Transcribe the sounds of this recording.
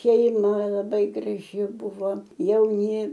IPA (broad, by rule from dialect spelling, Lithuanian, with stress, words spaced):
ʃʲɛɪˈmɐ lˠɐˈbɐɪ ɡrɐˈʒʲɪ ˈbʊʋoː jɛʊˈnʲɪ